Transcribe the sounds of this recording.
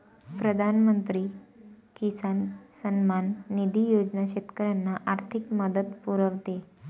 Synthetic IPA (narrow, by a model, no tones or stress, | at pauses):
pɾəd̪ʱanmənt̪ɾiː | kisansənmanːid̪ʱijod͡ʑnaɕet̪kəɾjanːaʔaɾt̪ʰikməd̪ət̪puɾəʋt̪e